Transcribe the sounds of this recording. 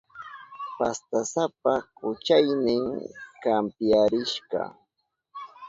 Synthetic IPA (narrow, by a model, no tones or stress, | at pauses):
past̪asap̚akʊt͡ʃajnɪŋkampjaɾɪʃɢɑ̰